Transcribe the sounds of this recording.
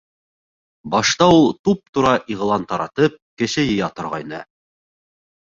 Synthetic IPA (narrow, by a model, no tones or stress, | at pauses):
bɑʃt̪ɑulˠt̪up̚t̪uɾɑʔiʁlˠɑnt̪ɑɾɑ̰t̪ɤp̚kɘ̆ʃɘjɤ̆jɑt̪ŏɾʁɑ̰jnɤ̰